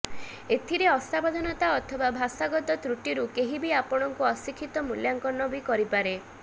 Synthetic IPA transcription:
et̪ʰiɾeɔsabɔd̪ʱɔnɔt̪aɔt̪ʰɔbabʱasaɡɔt̪ɔt̪ɾuʈiɾukeɦibiapɔɽ̃ɔŋkuɔsikʰit̪ɔmuljaŋkɔnːɔbikɔɾipaɾe

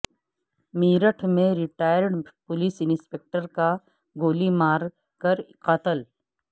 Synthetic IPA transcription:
miːɾəʈʰmẽɾɪʈaːjəɾɖpʊliːsɪnspek̚ʈəɾka | ɡoːlimaːɾ | kɐɾqət̪əl

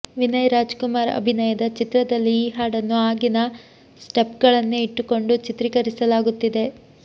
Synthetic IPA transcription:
ʋinɐjɾaːd͡ʒkumaːɾɐ̰bʱinɐjɐd̪ɐt͡ʃit̪ɾɐd̪ɐlːiːɦaːɽɐnːuaːɡinɐ | sʈepɡɐɭɐnːuiʈːuko̞ɳɖut͡ʃit̪ɾikɐɾisɐlaːɡut̪ːid̪e̞

